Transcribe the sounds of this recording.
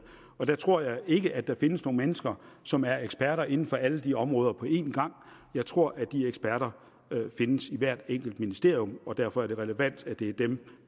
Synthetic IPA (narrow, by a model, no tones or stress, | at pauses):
ɒ̽d̥æt͡sʰʁo̝ɐ̰jɑ̈ɪe̝ɡ̥əʔæd̥ɑ̈fe̝nəsno̝ːŋəmenəsɡ̥ɐsɒ̽mæɐeɡ̥sb̥æɐɾɐe̝n̩fɒ̽ʔæləd̥iɒ̽mʁɔ̽ːð̞ˠɐpʰɒ̽ʔe̝̰ːnɡ̥ɑ̈ŋ̰ | jɑ̈ɪt͡sʰʁo̝ɐ̰ʔæd̥ieɡ̥sb̥æɐɾɐ | fe̝nəsiʋæɐ̰d̥eŋ̰ɡ̥l̩d̥minisd̥e̝ɐ̰ijɔ̽mɒ̽d̥æɐfɒ̽æɐɾ̥e̝ʁɛləʋæn̰d̥æd̥e̝d̥em